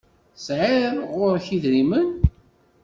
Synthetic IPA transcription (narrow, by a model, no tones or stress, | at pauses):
sʕɪɾɾʁʊɾçiðɾimən